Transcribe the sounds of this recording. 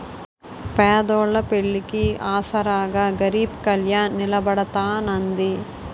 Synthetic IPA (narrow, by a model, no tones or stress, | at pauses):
pɛːd̪ɔːɭːɐpeɭːikiaːsɐɾaːɡaːɡɐɾiːbkɐljaːnːilɐbɐɽɐt̪aːnɐnd̪i